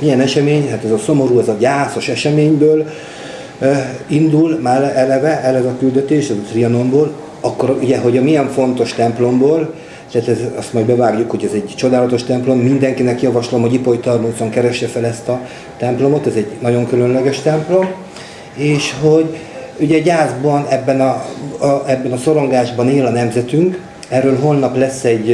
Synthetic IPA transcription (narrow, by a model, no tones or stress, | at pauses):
ijɛnɛʃɛmeːɲɦaːt̪ɛzɒso̞mo̞ɾuːɛzɒɟaːt̪so̞ʃɛʃɛmeːɲbøːl | ind̪ulmaːlɛlɛvɛʔɛlɛzɒkyld̪ɛt̪eːʃɛzɒt̪riɒno̞mboːl | ɒkːo̞ɾuɟɛɦo̞ɟɒmijɛɱfo̞nt̪o̞ʃt̪ɛmplo̞mboːl | t̪aːt̪ɛzɒst̪mɒjbɛvaːɡjukho̞ɟɛzɛɟt͡ʃo̞d̪aːlɒt̪o̞ʃt̪ɛmplo̞mːind̪ɛŋkinɛkjɒvɒʃlo̞mho̞ɟipo̞jit̪ɒrmuːzo̞ŋkɛɾɛʃːɛfɛlɛst̪ɒ | t̪ɛmplo̞mo̞t̪ɛzɛɟnɒɟo̞ŋkylønlɛɡɛʃt̪ɛmplo̞m | eːʃho̞ɟ | uɟɛɟaːzbɒnɛbːɛnɒ | ɛbːɛnɒso̞ɾo̞ŋɡaːʒbɒneːlɒnɛmzɛt̪yŋk | ɛrːøːlɦo̞lnɒplɛsːɛɟ